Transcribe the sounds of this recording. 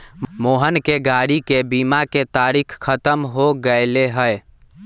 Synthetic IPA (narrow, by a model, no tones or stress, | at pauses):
moɦənkeɡaɽikebimaket̪aɾikʰkʰːət̪əmɦoɡəɪleɦəj